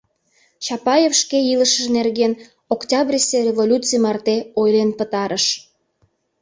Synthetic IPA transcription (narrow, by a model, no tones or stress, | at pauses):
t͡ɕɑpɑjefʃkeiləʃəʒnerɣen | oktʲɑbrʲiserʲevolʲut͡sɨjmɑrt̪eojlenpət̪ɑɾʔəʃ